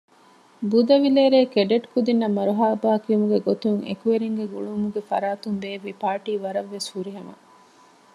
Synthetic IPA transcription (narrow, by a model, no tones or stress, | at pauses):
bud̪ɐʋileːɾeːkeɖeʈkud̪inːɐmɐɾuɦaːbaːkiumuɡeɡot̪uŋḛkuʋeɾiŋɡeɡuɭumuɡefɐ̰ɾaːt̪umbeːʋipaːʈiːʋɐɾɐʋːeshuɾiɦɐmɐ̰